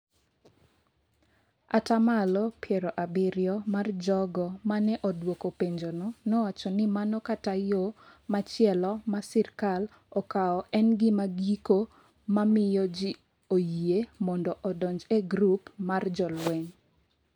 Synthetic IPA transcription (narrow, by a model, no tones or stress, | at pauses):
a̰tamalɔpjɛɾɔʔabɪɾjɔmard͡ʒɔɡɔmanɛʔɔdwokopeɲd͡ʒononɔwat͡ʃɔnɪmanɔkatajomat͡ʃɪɛlɔmasirkal | ɔkaɔʔɛnɡɪmaɡiko | mamɪjɔd͡ʒɪ | ojiemɔndɔʔɔdɔɲd͡ʒeɡɾupmard͡ʒɔlweɲ